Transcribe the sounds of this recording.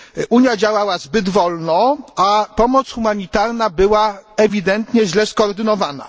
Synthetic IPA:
ʔuɲjad͡ʑawawazbɘd̪vɔlnɔapɔmɔt̪sxumaɲit̪aɾnabɘwaɛvʲid̪ɛnt̪ɲɛʑlɛskɔːɾd̪ɘnɔvana̰

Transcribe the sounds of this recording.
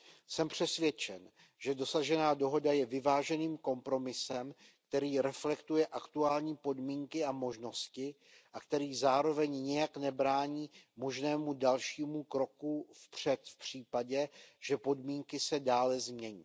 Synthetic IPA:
sɛmpr̥ɛsvjɛt͡ʃɛn | ʒ̥ɛdo̞saʒɛnaːdo̞ɦo̞dajɛvɪvaːʒɛniːmko̞mpɾo̞mɪsɛmk̚t̪ɛɾiːɾɛflɛkt̪ujɛʔakt̪uaːlɲiːpo̞dmiːŋkɪamo̞ʒno̞scɪ | ʔakt̪ɛɾiːzaːɾo̞vɛɲɲɛjaknɛbɾaːɲiːmo̞ʒnɛːmudalʃiːmukɾo̞kufpr̝̥ɛt̪fpr̝̥iːpaɟɛʒ̥ɛpo̞dmiːŋkɪsɛdaːlɛzmɲɛɲḭː

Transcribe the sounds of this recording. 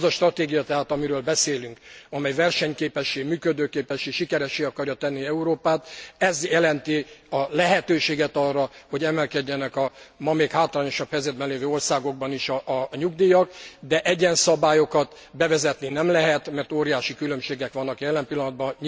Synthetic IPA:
zɒʃt̪rɒt̪eːɡijɒt̪ɛɦaːt̪ɒmiɾøːlbɛseːlyŋkɒmɛjvɛrʃɛɲkeːpɛʃːeːɡmyːkød̪øːkeːpɛʃeːʃikɛɾɛʃeːɒkɒrjɒt̪ɛnːiɛuɾoːpaːt̪ɛzjɛlɛnt̪iɒlɛɦɛt̪øːʃeːɡɛt̪ɒrːɒho̞ɟɛmɛlkɛɟːɛnɛkɒmɒmeːkhaːt̪laːɲo̞ʃɒphɛjzɛd̪bɛnleːvøːo̞rsaːɡo̞ɡ̚bɒniʃɒːɲuɡd̪iːjɒkd̪ɛʔɛɟɛnsɒbaːjo̞kɒt̪ | bɛvɛzɛt̪ninɛmlɛɦɛt̪mɛrt̪oːɾijaːʃikylø̞mʃeːɡɛkʋɒnːɒkjɛlːɛmpilːɒnɔd̪bɒɲ

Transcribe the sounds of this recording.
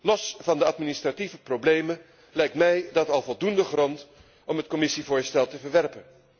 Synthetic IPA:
lɔsvɑndəɑtministrativəproblejmə | lɛjk̚tmɛjdɑtɑlˠvɔlˠdundəχrɔnt | ɔmɦətkɔmɪsivʊːɹstɛlˠtəvəɹʋɛɹpən

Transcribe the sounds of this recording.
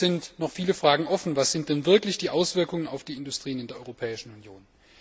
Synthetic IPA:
z̥ɪntnɔχfiːləfʁ̥aːɡŋ̩ʔɔfn̩vasz̥ɪnt̚d̥ɛnvɪɐklɪçd̥iːʔaʊsv̥ɪɐkʊŋənaʊfd̥iːɪndʊstʁ̥iːənɪndeːɐʔɔʏʁopʰɛːɪʃn̩unjoːn

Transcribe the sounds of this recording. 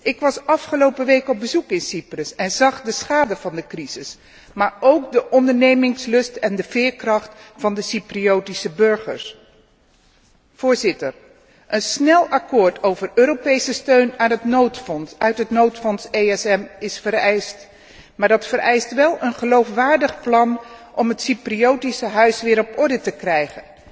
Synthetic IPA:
ʔɪkʋɑsɑfχəlowpəʋejkɔb̚bəzukɪnsiprəsɛnzɑχdəsχaːdəvɑndəkrizɪs | maːɹowkdəʔɔndəɹnejmɪŋslɵstɛndəv̥ɪːɹkrɑχtfɑndəsipriowtisəbɵɹχə̰ɹs | v̥ʊːɹzɪtər | ʔənsnɛlˠɑkʊːɹtowvərøːɾopejsəstøɥnanɦətotœɥtɦətnowtfɔnsejɛsɛmɪsfəɾɛjst | maːɹdɑtfərɹɛjstʋɛlˠənχəlowfʋaːɹdəχplɑnʔɔmɦətsypriowtisəɦœɥsʋɪːɾɔpɔɹdətəkrɛjχən

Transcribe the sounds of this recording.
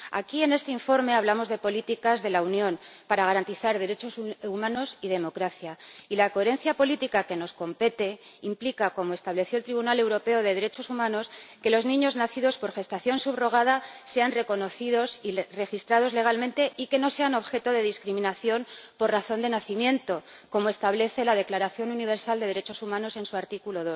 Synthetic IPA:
a̰kie̞ne̞st̪e̞iɱfo̞ɾme̞aβlamo̞zðe̞po̞lit̪ikazðe̞launjõ̞npaɾaɣ̞aɾant̪iθaɾðe̞ɾe̞t͡ʃo̞sumãno̞sið̞e̞mo̞kɾaθjailako̞e̞ɾe̞nθjapo̞lit̪ikake̞no̞sko̞mpe̞t̪e̞implikako̞mo̞e̞st̪aβle̞θjolt̪ɾiβunale̞wɾo̞pe̞o̞ð̞e̞ð̞e̞ɾe̞t͡ʃo̞sumãno̞ske̞lo̞znĩɲo̞znaθiðo̞spo̞ɾxe̞st̪aθjo̞nsuβro̞ɣ̞að̞ase̞anre̞ko̞no̞θiðo̞sire̞xist̪ɾað̞o̞zle̞ɣ̞almẽ̞nt̪e̞ʔike̞no̞se̞ano̞βxe̞t̪o̞ðe̞ðiskɾimĩnaθjo̞npo̞rraθo̞nd̪e̞naθimjẽ̞nt̪o̞ | ko̞moe̞st̪aβle̞θe̞lað̞e̞klaɾaθjo̞nuniβ̞e̞ɾsald̪e̞ðe̞ɾe̞t͡ʃo̞sumãno̞se̞nsuaɾt̪ikulo̞ðo̞s

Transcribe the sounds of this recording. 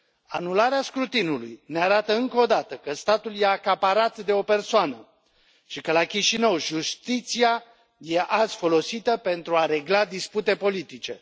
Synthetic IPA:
anulaɾeaskɾut̪inulṵjneaɾat̪əɨŋkod̪at̪əkəst̪at̪uljeakapaɾat̪d̪e̞o̞pe̞rsoanə | ʃikəlakʲiʃinəwʒust̪it̪sia | je̞ʔaz̥fo̞lo̞sit̪əpe̞nt̪ɾuaɾe̞ɡlad̪isput̪e̞po̞lit̪it͡ʃe̞̰

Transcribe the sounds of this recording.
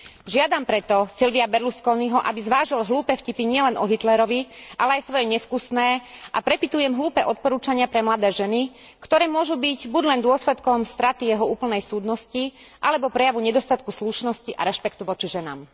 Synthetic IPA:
ʒɪad̪ampɾɛt̪ɔsilʋiabɛɾluskɔlniɦɔʔa̰bizʋaːʒilɦluːpɛːfcipiɲɪɛlɛnʔɔɦit̪lɛɾɔʋiʔa̰lɛajsʋɔjɛɲɛfkusnɛːʔapɾɛpit̪ujɛmɦluːpɛːʔɔt̪̚pɔɾuːt͡ʃaɲɪapɾɛmlad̪ɛːʒɛni | kt̪ɔɾɛːmʊɔʒubiɟbuɟlɛnd̪ʊɔslɛt̪kɔmst̪ɾat̪ijɛɦɔuːpl̩nɛjsuːd̪nɔsci | ʔalɛbɔpɾɛjaʋuɲɛd̪ɔst̪at̪kusluʃnɔsciʔa̰ɾɛʃpɛkt̪uʋɔt͡ʃiʒɛna̰ːm

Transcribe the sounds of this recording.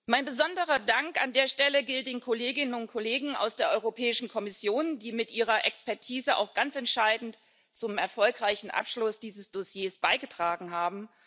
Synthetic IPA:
maɪnbəzɔndəʁɐdaŋka̰ndeːɐʃtɛləɡɪlt̚d̥eːnkʰɔleːɡɪnənʊnt̚kʰɔleːɡŋ̩ʔa̰ʊsd̥eːɐʔɔʏʁopʰɛːɪʃn̩kʰɔmɪsjoːnd̥iːmɪtʔiːʁɐʔɛkspɛɐtʰiːzəʔa̰ʊxɡ̥ant͡sɛntʃaɪdn̩t | t͡sʊmɛɐfɔlkʁ̥aɪçn̩ʔa̰pʃlʊsd̥iːzəsd̥osjeːsb̥aɪɡətʁ̥aːɡŋ̩ɦaːbm̩

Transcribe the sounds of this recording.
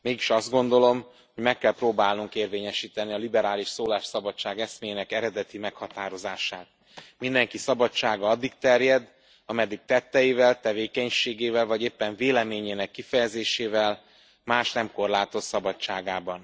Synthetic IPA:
meːɡiʃɒzd̪ɡo̞nd̪o̞lo̞m | ho̞ɟmɛkːɛlproːbaːlnuŋkeːrveːɲɛʃiːt̪ɛniɒlibɛɾaːliʃsoːlaːʃsɒbɒt͡ʃːaːɡɛsmeːjeːnɛkɛɾɛd̪ɛt̪imɛkhɒt̪aːɾo̞zaːʃaːt̪̚ | mind̪ɛŋkisɒbɒt͡ʃːaːɡɒɒd̪ːik̚t̪ɛrjɛd̪ | ɒmɛd̪ːik̚t̪ɛt̪ːɛjivɛlt̪ɛveːkɛɲʃeːɡeːvɛlvɒɟeːpːɛɱveːlɛmeːɲeːnɛkːifɛjɛzeːʃeːvɛl | maːʃnɛmko̞rlaːt̪o̞t̪sɒbɒt͡ʃt͡ʃːaːɡaːbɒn

